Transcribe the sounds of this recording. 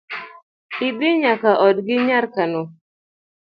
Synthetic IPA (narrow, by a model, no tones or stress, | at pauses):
ibɪɲakaʔɔdɡɪɲarkano